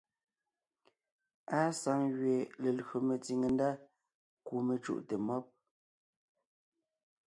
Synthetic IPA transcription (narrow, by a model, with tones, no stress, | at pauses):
a˦sa˨˦ŋɣɥe˨le˨lɣo˨me˨t͡si˨ŋe˨nda˦ | ku˨me˨t͡ʃṵ˦ʔte˨mɔ˦p̚